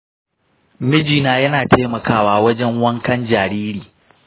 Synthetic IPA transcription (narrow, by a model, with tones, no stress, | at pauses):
mɪ˦d͡ʒiː˨naː˨jɐ˦naː˨tʰeː˦mɐ˨kaː˦waː˦wɐ˦d͡ʒɛ˦ŋwɐ˦ŋkɐ˦nd͡ʒaː˨ɾiː˦ɾiː˨